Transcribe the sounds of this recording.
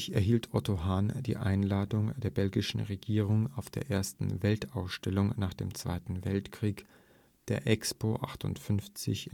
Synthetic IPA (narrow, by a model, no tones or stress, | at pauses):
çɛɐɦiːltʰʔɔtoɦaːnd̥ḭːʔa̰ɪnlaːdʊŋd̥eːɐbɛlɡɪʃn̩ʁeɡiːʁ̞ʊŋaʊfd̥eːɐʔeːɐstn̩vɛltaʊsʃtɛlʊŋnaːχd̥ḛːmt͡sv̥a̰ɪtn̩vɛltkʁ̥iːk | d̥eːɐʔɛkspʰoʔa̰χtʊ̰ntfʏnft͡sɪ̰ç